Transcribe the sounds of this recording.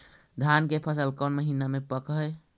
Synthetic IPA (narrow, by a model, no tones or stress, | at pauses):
d̪ʱankepʰəsəlkənməɦinamepəkɦə